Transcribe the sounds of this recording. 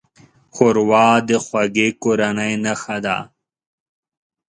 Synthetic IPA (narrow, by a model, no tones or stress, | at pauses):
xoɾwɑːd̪exwɐɡekoɾanɐjnɐxad̪a̰ː